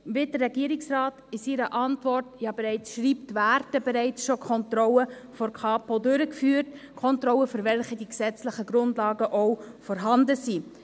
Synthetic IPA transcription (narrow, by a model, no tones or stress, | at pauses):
vɪd̥ərːɛɡiːəɾɪksrɑːtɪsɪɾəʔɑntvɔrtjɑːbeɾɛɪt͡sʃɾiːptvæːɾtəbɛɾɛɪt͡sʃokʰɔntrɔləfɔɾkʰɑːpodøɾəkfyːɾtkʰɔntrɔwəfʏɾvɛlχədiksɛt͡slɪχəɡɾʊndlɑːɡəʔowfɔɾɦɑndəsi